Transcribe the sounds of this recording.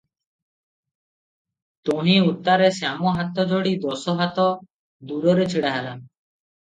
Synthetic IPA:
t̪onieut̪ːaɾesamoɦat̪ːɔd͡ʑoɽid̪osoɦat̪ɔ | d̪uɾoɾet͡ɕʰeɽeɦalan

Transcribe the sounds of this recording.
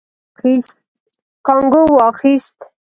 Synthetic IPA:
is | kʰaŋɡowaχist̪

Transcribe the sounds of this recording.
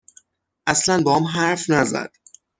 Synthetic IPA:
ʔæslænbɒɒmɦæɾfnæzæ̰d̪̥

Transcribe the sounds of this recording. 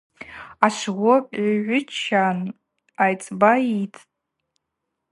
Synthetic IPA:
aʂʷʁʷopʼaʒʷʊt͡ʃʰan | ajt͡sʼbaitʰʼ

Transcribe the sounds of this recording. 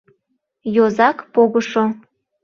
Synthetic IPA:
jozɑkpoɣəʃo

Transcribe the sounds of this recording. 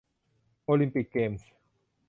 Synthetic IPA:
olimpik̚ɡems

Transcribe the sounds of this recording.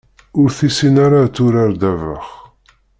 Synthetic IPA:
ʊɾθisinaɾat͡sːʊɾaɾd̪ævə̰χ

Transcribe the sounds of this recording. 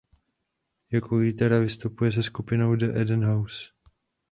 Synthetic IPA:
jakoliːt̪ɛɾavɪst̪upujɛs̬ɛskupɪno̞wdəʔɛdɛnɦaws

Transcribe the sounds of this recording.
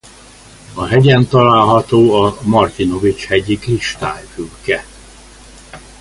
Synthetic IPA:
ɒɦɛɟɛnt̪ɒlaːlɦɒt̪oːɒmɒrt̪ino̞vit͡ʃhɛɟikriʃt̪aːjfylkɛ

